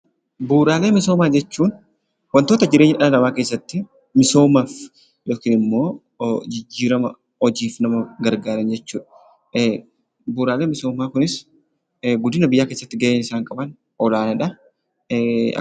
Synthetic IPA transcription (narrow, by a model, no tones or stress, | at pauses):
buːɾaːle̞ːmɪs̬oːmaːd͡ʒɛt͡ʃːuːn | wɐnt̪oːt̪ɐd͡ʒɪɾeːɲːɪᶑʔɐnlɐmaːkeːsːɐt̪ːɪ | mɪso̞ːmaːf | jokɪnɪmːo̞ː | d͡ʒɪd͡ʒːiːɾɐmɐ | ɔd͡ʒiːfnɐmɐɡɐɾɡaːɾɐnd͡ʒɛt͡ʃːuːᶑɐ̥ | buːɾaːleːmɪso̞ːmaːkʊnɪs | ɡʊd̪ɪnɐbɪjːaːke̞ːsːɐt̪ːɪɡɐʔeːnɪsaːŋkʼɐbɐn | ɔlaːnɐᶑɐ